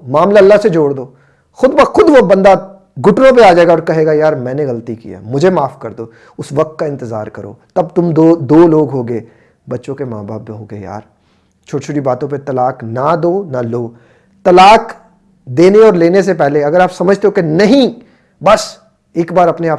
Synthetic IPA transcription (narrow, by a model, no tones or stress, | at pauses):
maːmlaɐlːased͡ʒoːɽd̪oː | xʊd̪bɐxʊd̪ʋobɐ̃nd̪a | ɡʊʈnõp̬eaːd͡ʒaːeɡaɔːɾkɐɦeːɡajaːɾmɛ̃ːneɣɐlt̪ikḭa̰ːmʊd͡ʒʱemaːfkɐɾd̪oː | ʊsʋɐk̚t̪̚kaɪ̃nt̪ɪza̰ːɾkɐɾo̰ːt̪ɐb̚t̪ʊmd̪od̪oːloːɡɦoːɡeː | bɐtːʃõkema̰ːba̰ːpːeɦoːɡḛːja̰ːɾ | t͡ʃʰoːʈit͡ʃʰoːʈibaːt̪õp̬et̪ɐlaːknad̪oːnaloː | t̪ɐlaːk | d̪eːneɔːɾleːnes̬epɛɦleɐɡəɾaːpsɐməd͡ʒʱt̪eɦokenɐɦĩ | bɐs | eːkbaːɾɐpneaːp